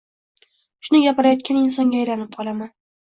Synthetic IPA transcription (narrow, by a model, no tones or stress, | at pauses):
ʃʊnɪɡʲapɪɾajɒt̪̚kʲanɪnsɒŋɡʲaːjɾanɪp̚qʰɒlˠaman